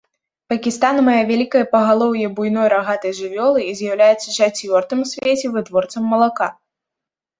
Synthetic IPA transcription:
pɐkʲist̪anmajavʲalʲikɐjɐpɐɣalˠɔwjɛbujnɔjɾaɣat̪ɐjʐɨvʲɔlˠɨizʲjɐwlʲajɛt̪sːɐʂat͡sʲvʲɔrt̪ɨmsʲvʲet͡sʲɛvɨt̪vɔrt̪sɐmːɐlˠaka

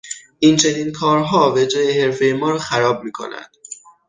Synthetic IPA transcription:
ʔint͡ʃʰe̞niːnkʰɒːɾɦɒːved͡ʒɾejehe̞ɾfejemɒːɾɒːxæɾɒːb̚miːkʰo̞̰næ̰nd̪̥

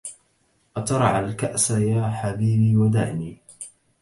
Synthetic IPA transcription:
ʔɑt̪ɑɾˤɑʕalkaʔsajaːħabiːbiːwad̪a̰ʕʔniː

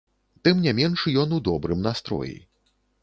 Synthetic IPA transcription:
t̪ɨmnʲamʲɛnʂjɔnud̪ɔbɾɨmnast̪ɾɔ̰jḭ

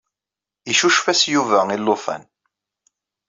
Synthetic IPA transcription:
iʃuʃfæsjuvæilːofæ̰n

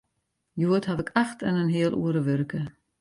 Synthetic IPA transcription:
juəthavɪkʰaxtənənɦiəlʔṵəɾəʋørkə

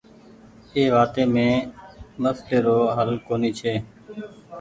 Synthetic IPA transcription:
eːʋaːt̪eːmẽːməsʈeːɾoːɦəlkoːniːt͡ʃʰeː

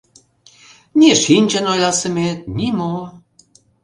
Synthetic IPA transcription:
nʲiʃinʲd͡ʒə̆nojlˠɑsə̆met̪̚nʲimo

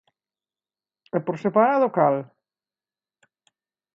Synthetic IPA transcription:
ɛpoɾsepaɾaðʊkal

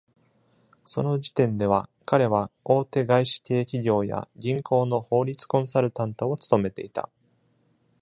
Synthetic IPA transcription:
so̞no̞ʑi̥t̪ẽ̞nd̪e̞β̞akaɾe̞β̞ao̞ːt̪e̞ɡaiɕi̥ke̞ːkʲiɡʲo̞ːja̰ɡʲĩŋko̞ːno̞ho̞ːɾʲit͡sɨ̥kõ̞ɰ̃saɾɯ̟t̪ãnt̪o̞ːt͡sɨ̥t̪o̞me̞t̪e̞̰it̪a̰

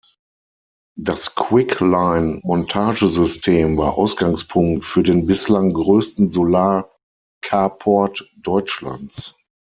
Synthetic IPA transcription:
daskʰwɪklaɪnmɔntʰaːʒəzʏstʰeːmvaːɐʔa̰ʊsɡ̥aŋspʰʊŋktfyːɐdeːnbɪslaŋɡʁøːstn̩zolaːɐ | kʰaːpʰɔɐtd̥ɔʏt͡ʃla̰nt͡s

